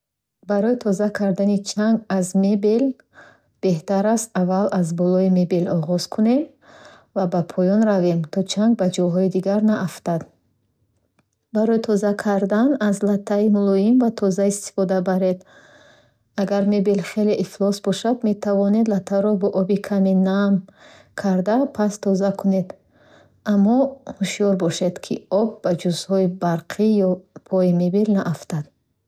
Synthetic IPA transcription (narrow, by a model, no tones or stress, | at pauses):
baɾɔit̪ʰɔzakʰaɾd̪anit͡ʃʰaŋɡazmebel | b̥e̞ht̪aɾast̪avalazbɔlɔime̞belɔʁɔz̥kʰune̞m | vabapʰɔjɔnɾave̞mt̪ʰɔt͡ʃʰaŋɡ̚bad͡ʒɔɦɔid̪iɡaɾnaʔaft̪ad̪ | baɾɔit̪ʰɔzakʰaɾd̪anazlat̪ʰːaimulɔimvat̪ʰɔzaist̪i̥fɔd̪abaɾe̞d̪ | aɡaɾmebelχe̞leʔiflɔsbɔʃad̪me̞t̪ʰavɔned̪lat̪ʰːaɾɔbɔʔɔbikʰaminam | kʰaɾd̪apʰast̪ʰɔzakʰune̞d̪ | amːɔhuʃijɔɾbɔʃed̪kʰiɔb̚ːad͡ʒuzhɔibaɾqʰijɔpʰɔimebilnaʔaft̪ad̪̥